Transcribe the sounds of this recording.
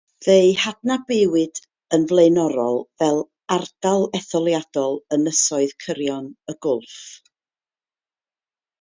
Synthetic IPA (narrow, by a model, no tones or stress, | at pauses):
ðejhadnabewɨd | ənvlˠejnɔɾɔlˠvɛlˠ | ard̥alˠɛθɔlˠjad̥ɔlˠənəsɔɨðkʰəɾjɔnəɡʊlˠf